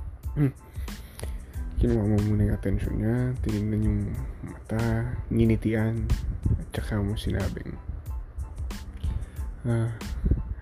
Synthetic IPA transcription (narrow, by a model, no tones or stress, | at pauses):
kɪnʊwaʔmomuːnɐjʊŋʔɐt̪ɛnʃo̰nɲat̪ɪnɪɡ̚nɐnjʊŋmɐt̪aŋɪnɪt̪ɪʔanɐt̪̚t͡ʃɐkamosɪna̰ːbɪ̰ŋ | ʔa